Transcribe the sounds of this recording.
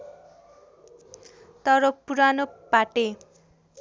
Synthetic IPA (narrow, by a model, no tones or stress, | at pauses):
t̪ʌɾʌpuɾanopaʈe